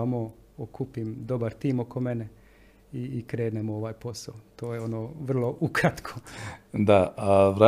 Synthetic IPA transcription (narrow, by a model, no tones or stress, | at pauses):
amo | okʰupimd̪o̞baɾt̪iːmo̞ko̞me̞ne | iikɾe̞ːd̪nemooʋaːjpo̞saot̪oːjeo̞noːʋr̩lˠo̞ʔukɾat̪kʰo̥d̪aaʋɾa